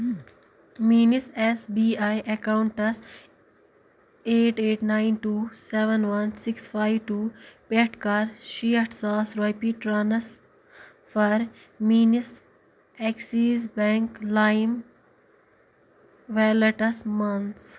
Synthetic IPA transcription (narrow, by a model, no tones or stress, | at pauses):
miːnisesbiajʔɐkaʊɳʈɐs | eːʈeːʈnaɪnʈuːseʋənʋɐnsɪksfaɪʋʈuːpeʈkaːɾʃiːəʈsaːsɾɔjpiʈɾaːnɐs | fɐɾmiːnis | ɛksiːzbɛ̃ŋklaɪm | ʋɛləʈɐsmɐns